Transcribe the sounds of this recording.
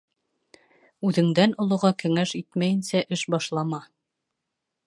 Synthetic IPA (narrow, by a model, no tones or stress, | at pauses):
ʉðɘ̆ŋd̪ænŏlˠŏʁɑkɘ̆ŋæʃit̪mæjɘ̆nsæʔɘʃbɑʃlˠɑmɑ